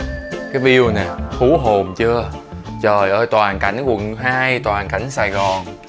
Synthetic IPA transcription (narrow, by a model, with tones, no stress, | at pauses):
kaː˨˦jɓi˧əwnɛː˨˩hu˧˦ɦo˨˩mt͡ɕɨ˧ət͡ɕəː˨˩jʔəː˧˩˦t̪waː˨˩nka˨˩jŋ̟kwə˨˩nɦaː˧jt̪waː˨˩nka˧˩jŋ̟saː˨˩jɣɔ˨˩n